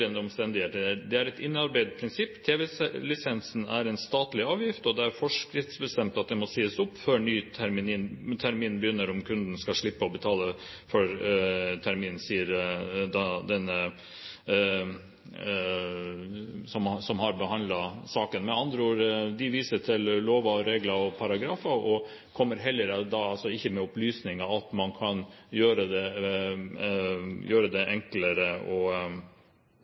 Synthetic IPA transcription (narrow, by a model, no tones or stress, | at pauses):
ənəɔmst̪ɛnd̪ɪheːt̪əd̪ɛæɾɛt̪ɪnːɑɾbæɪd̪pʰɾɪnsɪpːt̪ʰeːʋɛlɪsɛnsnæɾɛnst̪ɑːt̪lɪɑːʋjɪft̪ɔd̪ɛæɾfɔʂkɾɪft̪sbəst̪ɛmt̪ɑt̪̚d̪ɛmɔsiːəsʊpːfœɳyːt̪ʰæɾmɪniːnt̪ʰæɾmiːnbəjʏnːəɾɔmkʰʉnd̪n̩skɑʂɭɪpːəɔbət̪ʰɑːlə | fœɾt̪ʰæɾmiːnn̩siːəɾd̪ɑd̪ɛnːə | sɔmsɔmhɑɾbəɦɑnd̪lɑsɑːkənmɛnɑnd̪ɾəuːɾd̪ɪʋiːsəʈʰɪlloːʋɑɾeːɡlɑɔpʰɑɾɑɡɾɑːfɑɔ | kʰɔmːəɾɦɛlːəɾəd̪ɑɑlsɔɪçːəmɛʊplyːsnɪŋɑɑt̪mɑnkʰɑnjøːɾəd̪ɛ | jøːɾəd̪ɛʔɛŋkləɾəɔ